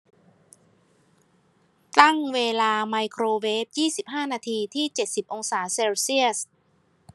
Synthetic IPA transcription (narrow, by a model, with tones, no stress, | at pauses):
t̪a˥˩ŋweː˧laː˧ma˧jkʰɾoː˧weː˦˥p̚jiː˥˩si˨˩p̚ɦaː˥˩naː˧t̪ʰiː˧t̪ʰiː˥˩t͡ɕe˨˩t̪̚si˨˩p̚ʔo˧ŋsaː˩˦seː˧wsi˥˩əs